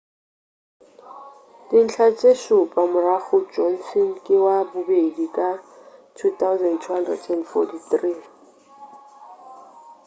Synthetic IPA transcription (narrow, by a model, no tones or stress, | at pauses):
dɪn̩t͡ɬʰat͡ʃʼeʃʊpʼamʊraχʊd͡ʒɔn̩sɔnkʼɪwabʊbedikʼatʰut̪awzɛndtʰuhandrɛ̰dʰɛnfɔ̰tiθri